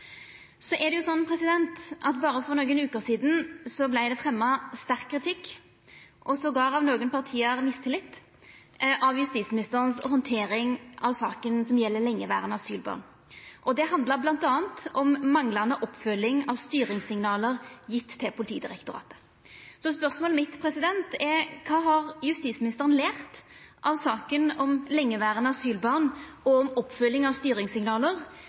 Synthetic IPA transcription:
sɔʔɛʁd̪ɛjʊsɔnːpʰɾɛsɪd̪ɛnt̪ʔɑt̪bɑːɾəfɔʁnoːɡənʉːkəsiːd̪n̩sɔblæɪd̪ɛfʁɛmːɑst̪æʁkʰːɾɪt̪ʰɪkː | ʔɔsɔɡɑːɾɑʋnoːɡənpɑʁt̪ʰiːəʁmɪst̪ʰɪlɪt̪ː | ʔɑʋjʉst̪iːt̪smɪnɪst̪əʁənsɔhɔnt̪ʰeːɾɪŋʔɑʋsɑːkənsɔmjɛlːəlɛŋːəʋæ̰ːʁənɑsyːlbɑ̰ʁn | ʔɔd̪ɛhɑnd̪ləɾblɑnt̪ɑːənt̪ɔmːɑŋlɑnəʔɔpːfœlːɪŋɑʋst̪yːɾɪŋsɪŋnɑːləʁjɪt̪ʰːɪlpʰʊlɪt̪ʰiːd̪ɪɾɛkt̪ʊɾɑ̰ːt̪ə̥ | sɔspœʁsmoːlmɪt̪pʰɾɛsɪd̪ɛnt̪ɛɾkʰɑːɦɑʁjʉst̪iːsmɪnɪst̪əʁənleːʁt̪ | ʔɑʋsɑːkənɔmlɛŋːəʋæːʁənəɑsyːlbɑʁn | ɔɔmɔpːfœlːɪŋɑʋst̪yːɾɪŋsɪŋnɑːləʁ

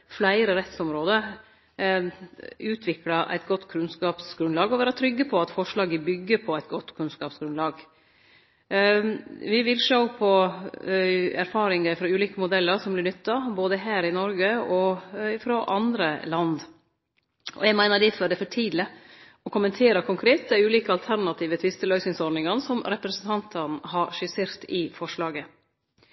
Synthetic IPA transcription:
flæɪɾəɾɛt̪sɔmɾoːd̪ə | ʉːt̪ʰʋɪklɑʔæ̰ɪt̪̚ɡɔt̪ːkʰɾʉnskɑːpsɡɾʉnlɑːɡɔʋæːɾət̪ʰɾʏɡːəpʰɔɑt̪fɔʂɭɑːɡəbʏɡːəɾpʰɔæɪt̪̚ɡɔt̪ːkʰʉnskɑːpsɡ̥ɾʉnd̪lɑːɡ | ʋɪʋɪlʂoʊpʰɔ | æɾfɑːɾɪŋəɪfɾɔʉːliːkəmʊd̪ɛlːəɾʂɔmblɪnʏt̪ːɑboːd̪əɦæːɾɪnɔɾɡəɔɪfɾoːʔɑnd̪ɾəlɑnd̪ | ʔɔ̰jɛɡmæɪnəɖɪfɔɖ̪ɛfɔʈʰiːd̪lə | ɔkʰʊmənt̪ʰeːɾɑkʰʊŋkʰɾeːt̪̚d̪æɪʉːliːkəɑlt̪ʰæɾnɑt̪ʰiːʋət̪ʰʋɪst̪əlœʏsɪŋsɔɾnɪŋɑnsɔmɾɛpɾɛsənt̪ʰɑnt̪ʰənɦɑɾʂɪseːɾt̪ɪfɔʂɭɑːɡə

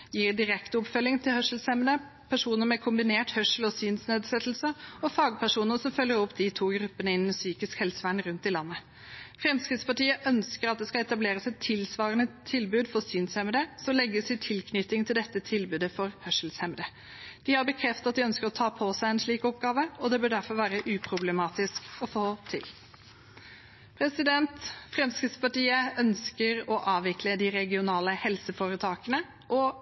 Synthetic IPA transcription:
jiːɾd̪ɪɾɛkt̪ɔpfœlɪŋt̪ʰɪlhœʂl̩shɛməd̪ə | pʰæʂuːnəɾmɛkʰʊmbɪneːʈhœʂl̩ɔsyːnsneːd̪sɛt̪ːl̩səɔfɑːɡ̚pʰæʂuːnənəsɔmfœlːəɾɔpd̪ɪt̪ʰuːɡɾʉpːənəɪnːsyːkɪskhɛlsəʋæɳɾʉnt̪ɪlɑnːə | fɾɛmskɾɪt̪spɑʈiːəʔœnskəɾɑt̪̚d̪ɛskɑɛt̪ɑbleːɾəsɛt̪ʰːɪlsʋɑːʁənət̪ʰɪlbʉːd̪fɔsyːnshɛməd̪əsɔmlɛɡːəsɪt̪ʰɪlkʰnʏt̪ɪŋt̪ʰɪld̪ɛt̪ːət̪ʰɪlbʉːd̪əfɔɾhœʂl̩shɛmd̪ə | d̪̥ɪhɑɾbəkʰɾɛft̪ɑt̪̚d̪ɪœnskəɾɔt̪ʰɑːpʰɔsæɪɛnʂɭiːkɔp̚ɡɑːʋəɔd̪ɛbœːɖæɾfɔɾʋæːɾəʔʉːpʰɾʊblɛmɑːt̪ɪskɔfoːt̪ʰɪ̰l | pʰɾɛsɪd̪ɛnt̪fɾɛmskɪd̪spɑʈiːəœnskəɾɔʔɑːʋʋɪkləd̪ɪɾɛɡɪʊnɑːləhɛlsəfoːɾət̪ʰɑːkənə | ʔɔ

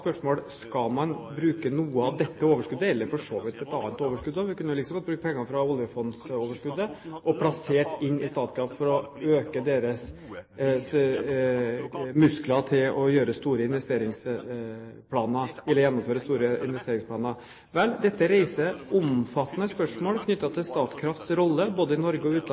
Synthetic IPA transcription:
spœʂmoːlskɑlmɑnbɾʉːkənuːəɑʋd̪ɛt̪ːəoːʋəʂkʉd̪ːəɛlːəɾfɔʂoːʋɪt̪ɛt̪ːɑːɑnt̪oːʋəʂkʉd̪d̪ɑʋɪkʉnːəjʊlɪksɔmɑbɾʉːkəpʰɛŋːɑfɾɑɔljəfɔnd̪soːʋəʂkʉd̪əʔɔpʰlɑseːʈɪnːɪst̪ɑːt̪skɾɑːffɔɾɔøːkəd̪eːɾəs | s | mʉsklɑt̪ʰɪlɔjøːɾəst̪uːɾəɪnʋɛst̪eːɾɪŋs | pʰlɑːnəɛlːəɾjɛnːɔmføːɾəst̪uːɾəɪ̰nʋɛst̪eːɾɪŋspʰlɑːnə | ʋɛld̪ɛt̪ːəɾeɪsəʔʊmfɑt̪ːənəspœʂmoːlkʰnʏt̪ːɑt̪ʰɪlst̪ɑːt̪skʰɾɑft̪sɾɔlːəboːd̪əɪnɔɾɡəɔʉːt̪

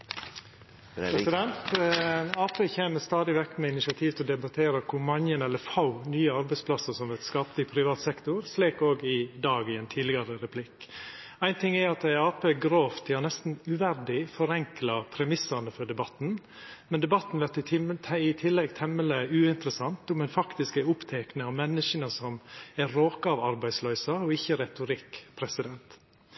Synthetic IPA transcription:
pʰɾɛsɪd̪ɛnt̪ | ɑːpeːçeːməst̪ɑːd̪ɪʋɛkːmɛɪnɪsɪɑt̪ʰiːʋt̪ʰɪlɔd̪ɛbɑt̪ʰeːɾəkʰʊmɑŋənɛlːəfɑʊnyːəɑɾbæɪspʰlɑsəɾsɔmʋɛt̪skɑːplɪpʰɾɪʋɑːt̪sɛkt̪ʊɾsliːkoːɡɪd̪ɑːɡɪɛnt̪ʰiːd̪lɪɡɑɾəɾɛpʰlɪk | æɪnt̪ʰɪŋːæɑt̪æɪɑːpeːɡɾoːft̪ʰɪlɑnɛst̪n̩ʉʋæɾɖɪfɔɾɛŋklɑpʰɾɛmɪsɑnəfɔɖɛbɑt̪n̩ | mɛnd̪ɛbɑt̪ːn̩ʋæʈɪɪt̪ʰɪlːɛɡt̪ʰɛmːələʉːɪnt̪əɾəsɑnt̪ʊmɛnfɑkt̪ɪskəʊpt̪ʰɛknəɑʋmɛnːəʃənəsɔmæɾoːkəɑʋɑɾbæɪd̪slœʏsɑɔɪçːəɾɛt̪ʊɾɪkːpʰɾɛsɪd̪ɛnt̪

